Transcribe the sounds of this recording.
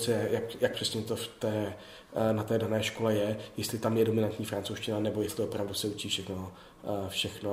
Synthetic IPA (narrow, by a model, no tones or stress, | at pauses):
t͡sɛjɛjakjak̚pr̝̥ɛsɲɛt̪o̞ft̪ɛː | nat̪ɛːdanɛːʃko̞lɛjɛjɛst̪lɪt̪amjɛdo̞mɪnant̪ɲiːfɾant͡sowʃcɪnanɛbojɛst̪lɪo̞pɾavdusɛut͡ʃiːfʃɛxno | fʃɛxno